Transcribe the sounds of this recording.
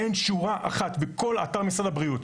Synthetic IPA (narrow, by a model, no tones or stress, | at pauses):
enʃuʁaʔa̰χat̪beko̞la̰taʁmisʁadabʁiut